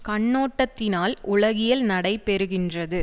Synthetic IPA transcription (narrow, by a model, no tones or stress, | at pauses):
kɐɳːoːʈːɐt̪ːɪnaːlʔʊɭɐɣɪjɐlnɐɽɐɪpɛɾɯɣɪndrɐðɯ